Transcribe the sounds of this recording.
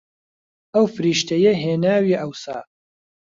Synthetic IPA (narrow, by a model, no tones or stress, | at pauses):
ʔɐwfɨɾiːʃt̪ɐjɐɦeːnaːwiʔɐwsa̰ː